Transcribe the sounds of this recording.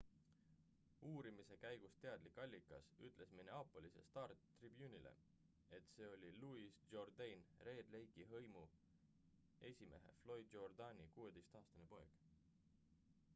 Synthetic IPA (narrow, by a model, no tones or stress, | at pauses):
uːɾimise̞kæjɡ̥ust̪e̞ɑd̪̥likːɑlʲːikˑːɑsyt̪ˑle̞smineɑpːˑolise̞̰st̪ɑːrt̪ːribjuːnʲilʔḛ | e̞t̪se̞ːo̞lʲiluisd͡ʒord̪ejnre̞ːd̪le̞jɡiɦɤjmu | e̞sʲime̞̰ɦe̞̰flo̞jd̪jo̞rd̪ɑnʲikuːe̞d̪e̞jst̪ɑːst̪ɑnepo̞eɡ̥